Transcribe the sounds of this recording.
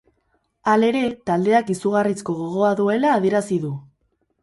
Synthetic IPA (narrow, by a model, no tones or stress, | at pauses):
ale̞ɾe̞t̪ald̪e̞akisuɣarisko̞ɣo̞ɣ̞o̞aðue̞laːðieɾasiðu